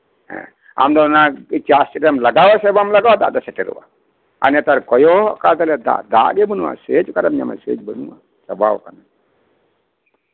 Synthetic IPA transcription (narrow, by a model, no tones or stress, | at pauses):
ɦɛ̰̃ | a̰md̪ɔnait͡ʃast͡ʃɾɛmlɐɡawasɛbamlaɡawad̪a̰ʔd̪ɔsɛʈɛɾṵwa̰ | a̰nɛt̪aɾkɔjɔkat̪alɛd̪a̰ʔd̪a̰ʔɡɛbənuwa̰ʔsed͡ʒkaɾamɲamɛ̰sḛːd͡ʒbənuwa̰ | sɐbawkana